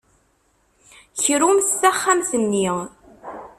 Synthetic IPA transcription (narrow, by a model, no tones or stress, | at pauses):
çəɾumsθæχːamθənːiʁ